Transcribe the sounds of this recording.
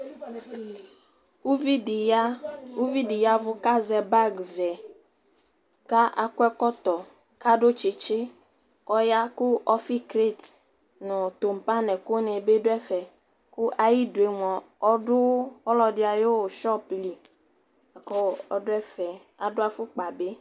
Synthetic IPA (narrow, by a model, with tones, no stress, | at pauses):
u˦vi˦da˦u˦vi˦dɪ˨ja˦vʊ˦ka˦zɛ˨ba˦ɡvɛ˨ | ka˦ʔa˨kwɛ˦kɔ˦t̪ɔ˨ | ka˦dʊ˦t͡ʃɪ˨t͡ʃɪ˦ | kɔ˦ja˦kʊ˦ʔɔ˦fi˦kɾe˦˨t | nʊ̃˨t̪o˨m̩˨pa˦nɛ˨ko˦nɛ˨be˦dʊ˦ɛ˦fɛ˨ | kʊ˦ʔa˨ji˦dʊ˨e˨mɔ˨ | ɔ˦dʊ˦ɔ˦lɔ˨dɪ˦a˨jo˦˨ʃɔ˦pli˨ | a˨kɔ˦˨ɔ˨dʊ˦ɛ˦fɛ˨ | a˨dʊ˦a˦fʊ˦k͡pa˨be˦